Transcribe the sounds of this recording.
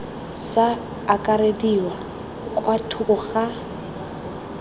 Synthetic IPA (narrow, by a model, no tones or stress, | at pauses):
saː | kʼaɾediwa | kʼwatʰukʊɣa